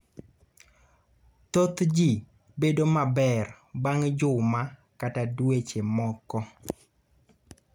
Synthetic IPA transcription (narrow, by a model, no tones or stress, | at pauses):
t̪ot̪d͡ʒi | bedomabɛr | baŋd͡ʒʊma | katadwet͡ʃemɔkɔ